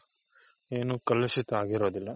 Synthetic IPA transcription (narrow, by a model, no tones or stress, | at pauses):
eːnukɐlːɐsit̪ɐaːɡiɾoːd̪ilːɐ